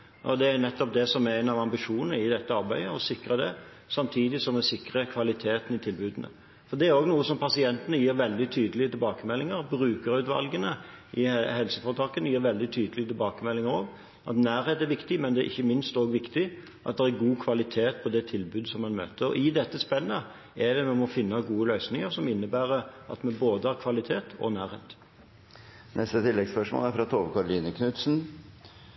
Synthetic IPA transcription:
ʔɔd̪ɛæɾnɛt̪ːɔp̚d̪ɛsɔmæʁæɪnɑʋɑmbɪʂuːnnəɪd̪ɛt̪ːəɑɾbæɪəɔsɪkɾəd̪ɛ | sɑmt̪ʰiːd̪ɪsɔmɛsɪkɾəkʰʋɑlɪt̪ʰeːt̪ən̩ɪt̪ʰɪlbʉːd̪nə̰ | fɔɾd̪ɛæɾoːɡnuːəsɔmpʰɑsɪɛnt̪ənəjiːɾʋɛld̪ɪt̪ʰyːd̪əlɪət̪ʰɪlbɑːkəmɛlːɪŋəɾbɾʉːkəɾʉːt̪ʋɑ̰lɡənəʔɪhɛlsəfɔːʁt̪ʰɑːkənəjiːɾʋɛld̪ɪt̪ʰyːd̪əlɪət̪ʰɪlbɑːkəmɛlːɪŋəɾoːɡ | ʔɑ̰t̪næːɾheːt̪æɾʋɪkt̪ɪmɛnd̪ɛæʔɪçːəmɪnst̪oːɡʋɪkt̪ɪ | ʔɑt̪d̪ɛæɾɡuːkʰʋɑlɪt̪ʰeːt̪̚pʰɔd̪ɛt̪ʰɪlbʉːd̪sɔmːɑnmø̰ːt̪əɾɔ̰ʔɪd̪ɛt̪ːəspɛnːə | ɛd̪ɛmɛmɔfɪnːɑɡuːəlœʏsnɪŋəɾsɔmɪnːəbæːɾəɑ̰t̪mɛboːd̪əhɑʁkʰʋɑlɪt̪ʰeːt̪ʰɔ̰næːɾheːt̪ | nʔɛst̪ət̪ʰɪlːɛɡspœʂmo̰ːlæɾfɾɑt̪ʰoːʋəkʰɑɾʊliːnəkʰnʉt̪sn̩

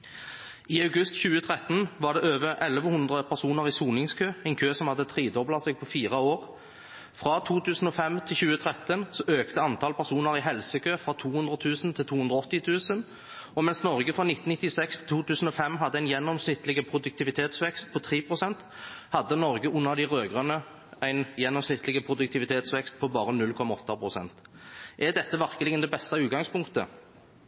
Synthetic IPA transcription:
iːɑʉɡʉst̪çʉːət̪ʰʁɛt̪nʋɑːɖ̪ɛøːʋəʔɛlʋəhʉnd̪ʁəpʰæʁsuːnəʁiːsuːnɪŋskʰøːɛɪnkʰøːsɔmhɑd̪ːət̪ʰʁiːd̪ɔblɑsɛɡ̚pʰɔfiːʁɑoːʁ | fʁɑt̪ʰuːt̪ʰʉːsn̩ɔːfɛmt̪ʰɪlçʉːət̪ʰʁɛt̪ənsɔʔøːkt̪əɑnt̪ʰɑːlpʰæʁsuːnəʁɪːɦɛlsəkʰøːfʁɑt̪ʰuːhʉnd̪ʁət̪ʰʉːsn̩t̪ʰɪlt̪ʰuːʉnd̪ʁəɔt̪ːɪt̪ʰʉːsən | ɔmɛnsnɔʁɡəfɾɑnɪt̪ːn̩ɪt̪ːɪsɛkst̪ʰɪ̥lt̪ʰuːt̪ʰʉːsən̩ɔfɛmːɦɑd̪ːəæɪnjɛnːɔmsnɪt̪lɪɡəpʰɾʊd̪ʉk̚t̪ʰɪʋɪt̪ʰeːt̪sʋɛkst̪̚pʰɔt̪ʰʁiːpʰʁʊsɛnt̪ | hɑd̪ːənɔʁɡəʔʊnːəʁd̪ɪʁøːɡʁənə | æɪnjɛnːɔmsnɪt̪lɪɡəpʰʁʊd̪ʉk̚t̪ɪʋɪt̪ʰeːt̪sʋɛkst̪̚pʰɔbɑːɾənʉlːkʰɔmːɑɔt̪ːɑpʰʁʊsɛ̰nt̪ʔæd̪ɛt̪ːəʋæʁkəlɪɡənd̪ɛbɛst̪ɑʉːt̪̚ɡɑŋspʊŋkt̪ə̰

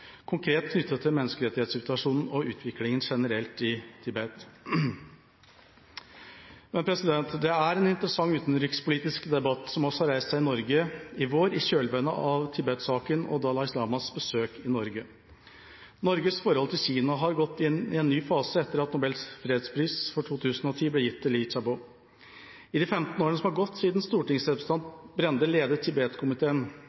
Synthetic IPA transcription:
kʰʊŋkʰɾeːt̪kʰnʏt̪ːət̪ʰːɪlmɛnːəskəɾɛt̪ːɪheːt̪sʏt̪ʰʋɑʂuːnn̩ɔʉːt̪ʰʋɪklɪŋənʂɛnəɾɛlt̪ɪt̪ʰɪbɛt̪ | mɛnpʰɾɛsɪd̪ɛnt̪d̪ɛæɾeːnɪnt̪əɾəsɑŋːʉːt̪n̩ɾʏkspʰʊliːt̪ɪskd̪ɛbɑt̪ːsɔmɔsɔhɑɾæɪst̪sæɪnɔɾɡəɪʋoːɾɪɕøːlʋɛnəʔɑʋt̪ʰɪbɛt̪sɑːkənɔ̰d̪ɑːlɑɪslɑːmɑsbəsøːkʰɪnɔɾɡə | nɔɾɡəsfɔɾhɔlt̪ʰɪlçiːnɑɦɑɾɡɔt̪ːɪnːɪɛnnːyːfɑːsəɛt̪ːəɾɑt̪nʊbɛlsfɾeːd̪spʰɾiːsfɔʈʰuːt̪ʰʉːsənɔt̪ʰiːblɛjɪt̪ʰːɪlɪt͡ʃɑbo | ɪd̪ɪfɛmt̪n̩oːɾənəsɔmhɑɾɡɔt̪ːsiːd̪nst̪uːʈɪŋsɛːʋst̪ɑnd̪bɾɛnd̪əleːd̪ət̪ʰɪbeːt̪kʰʊmɪt̪ʰeːən

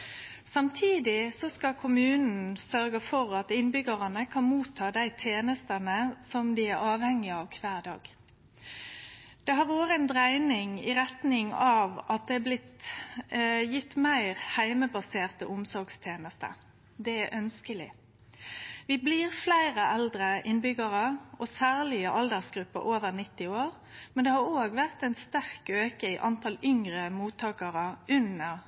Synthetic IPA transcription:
sɑmt̪ʰiːd̪ɪsɔskɑkʰʊmʉːnn̩sœɾɡəfɔʁɑt̪ɪnbʏɡəʁɑnəkʰɑnmuːt̪ʰːɑːd̪æɪt̪ʰeːnəst̪ənəsɔmd̪ɪæɾɑːʋhɛŋːɪɑʋkʰʋæːʁd̪ɑ̰ːɡ | d̪̥ɛɦɑʁʋoːʁəɛnd̪ʁæɪnɪŋɪ̰ʁɛt̪nɪŋɑʋʔɑt̪̚d̪ɛæblɪt̪ | jɪt̪ːmæɪʁhæɪməbɑseːʁt̪ə̰ʔʊmsɔɾɡst̪ʰjeːnəst̪ə̰ | d̪ɛæʔœnskəlɪ̰ | ʋɪbliːʁflæɪʁəʔɛld̪ɾəʔɪnbʏɡəʁəɔsæːʁlɪəʔɑld̪əʁsɡɾʉpːə̰ʔoːʋəʁnɪt̪ːɪoːɾ | mɛnd̪ɛhɑɾoːɡʋæʁt̪æɪnst̪æʁkøːkəiʔɑnt̪ʰɑlʏŋʁəmuːt̪ʰːɑːkəʁəʉnəʁ

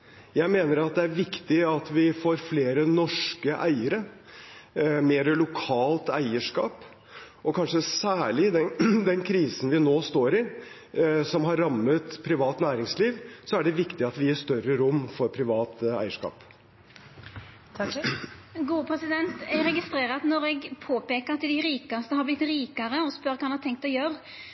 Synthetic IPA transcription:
jæɪmeːnəɾɑt̪̚d̪ɛæɾʋɪkt̪ɪɑt̪ʋɪfoːɾfleːɾənɔʂkəʔæ̰ɪəɾə | meːɾəlʊkʰɑːlt̪æɪəʂkɑːp | ɔkʰɑnʂəsæːɭɪd̪ɛd̪ɛnkʰɾiːsn̩ʋɪnoːst̪oːɾɪ | sɔmɦɑɾːɑmːət̪pʰɾɪʋɑːt̪næːɾɪŋsliːʋsɔæɖɛʋɪkt̪ɪɑt̪ʋɪjæʂt̪œɾəɾʊmːfɔɾpʰɾɪʋɑːt̪æ̰ɪəʂkɑ̰ːp | ɡuːəpʰɾɛsɪd̪ɛnt̪ɛɾɛɡɪst̪ɾeːɾɑt̪nɔɾɛɡpʰoːpeːkəɾɑt̪ːɪd̪ɪɾiːkɑst̪əhɑblɪt̪ːɾiːkɑɾəɔspœɾkʰɑːhɑnhɑt̪ʰɛŋk̚t̪ɛjøːɾ

